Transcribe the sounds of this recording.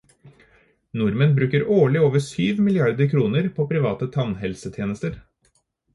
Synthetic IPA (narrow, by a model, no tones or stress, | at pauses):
nʊɾmənbɾʉːkəɾoːɭɪoːʋəʂyːʋmɪlɪɑɾd̪əɾkʰɾuːnəɾpʰoːpʰɾɪʋɑːt̪ət̪ʰɑnɦɛlsət̪ʰjeːnəst̪əɾ